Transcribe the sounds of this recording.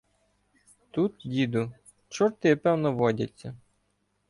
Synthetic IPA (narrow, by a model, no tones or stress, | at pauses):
t̪ut̪̚dʲid̪ʊ | t͡ʃɔrt̪ɪpɛwnɔʋɔdʲɐ̰t͡sʲːɐ